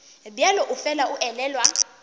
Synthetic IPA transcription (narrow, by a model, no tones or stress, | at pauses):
bialɔʔufɛlaʔuʔɛlɛːlwa